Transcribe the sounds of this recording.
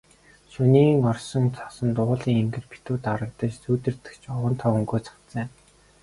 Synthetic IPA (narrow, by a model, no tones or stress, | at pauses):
ʃuniːŋɔrsɞ̆ŋt͡sʰɔ̥sə̆nt̪ʊːɮiːŋeŋɡɘ̆rpʰi̥t̪uːt̪aɾə̆k̚t̪ə̆t͡ɕt͡suːt̪ɘ̆rt̪ɘ̆kt͡ɕɔwə̆nt̪ʰɔɵŋɡoːt͡sʰḁk̪t͡sə̆ːŋ